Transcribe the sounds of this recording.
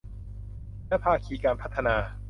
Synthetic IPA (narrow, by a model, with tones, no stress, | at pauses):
lɛ˦˥pʰaː˧kʰiː˧kaː˧npʰa˦˥t̪ʰːa˧naː˧